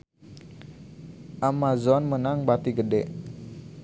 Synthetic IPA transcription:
ʔamazɔnmənaŋbat̪iɡədɛʔ

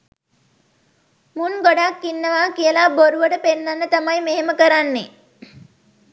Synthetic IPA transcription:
muŋɡoɖakːinːəʋaːkijəlaboɾuʋəʈəpenːanːət̪amajmeɦeməkəɾanːe

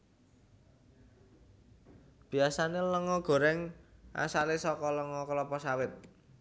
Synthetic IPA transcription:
b̥i̤asaneləŋɔɡ̥o̤ɾɛŋa̰salesɔkɔləŋɔkəlɔpɔsawɪt̪̚

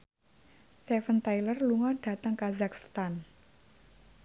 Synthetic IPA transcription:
st̪ɛfənt̪ajlərluŋɔd̥a̤t̪əŋkazak̚st̪an

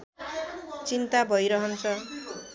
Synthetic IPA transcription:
t͡sint̪abʱʌjɾʌɦʌnt͡sʰʌ

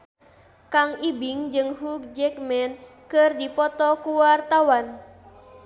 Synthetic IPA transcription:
kaŋibɪŋd͡ʒɨŋɦuk̚d͡ʒɛk̚mɛn | kərdipɔt̪ɔkuwart̪awan

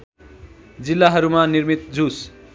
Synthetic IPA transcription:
d͡zilːaɦʌɾumanirmit̪̚d͡zus

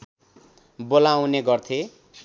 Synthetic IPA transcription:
bolawneɡʌrt̪ʰe

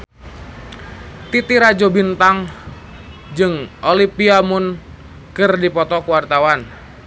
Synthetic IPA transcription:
t̪it̪iɾad͡ʒobint̪aŋ | d͡ʒɨŋʔolipiamʊn | kɨrdipɔt̪ɔkuwart̪awan

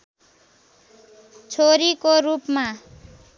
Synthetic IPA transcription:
t͡sʰoɾikoɾupma

